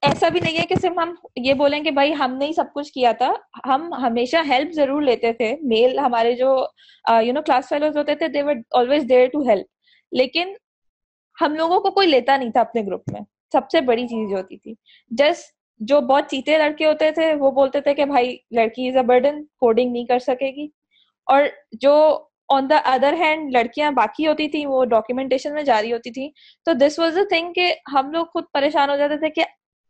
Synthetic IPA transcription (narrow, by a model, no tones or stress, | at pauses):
ɛːsabʱinɐɦĩɦɛkesɪɾfɦɐmjeboːlẽkebʱaːiɦɐmneɦĩsɐb̚kʊt͡ʃʰkijat̪ʰaɦɐmɦɐmeːʃaɦɛlpʰzɐɾuːɾleːt̪et̪ʰemeːlɦɐmaːɾed͡ʒoː | junoːklaːsfeːloːɾzɦoːt̪et̪ʰed̪eːʋəɾɔːlʋeːzɖeːɾʈuɦɛlp̚ | leːkɪn | hɐmloːɡõkokoːileːt̪anɐɦĩt̪ʰaɐpneɡɾʊpmḛ̃ | sɐbsebɐɽit͡ʃiːzẽɦoːt̪it̪ʰiː | d͡ʒɐs | d͡ʒoːbɔːt̪̚t͡ʃiːt̪ẽlɐɽkeɦoːt̪et̪ʰeʋoboːlt̪et̪ʰekebʱaːilɐɽkiɪzɐbəɾɖə̃nkoːɖɪ̃ŋɡnɐɦĩkɐɾsɐkeːɡiː | ɔːɾd͡ʒoː | ɔ̃ːnd̪əʔɐd̪əɾɦɛ̃ːɳɖlɐɽkijãbaːkiɦoːt̪it̪ʰĩʋoɖɔːkjumɛ̃ɳʈeːʃənmẽd͡ʒaːɾiɦoːt̪it̪ʰĩ | t̪oːd̪ɪsʋɔːzd̪ət̪ʰɪ̃ŋkkeɦɐmloːɡxʊd̪̚pɐɾeːʃaːnɦod͡ʒaːt̪et̪ʰeke